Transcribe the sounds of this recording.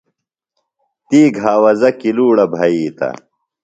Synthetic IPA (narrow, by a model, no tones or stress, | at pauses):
t̪iːɡɦaːwɐzɐkiluːɽɐbʱɐjiːt̪ɐ̰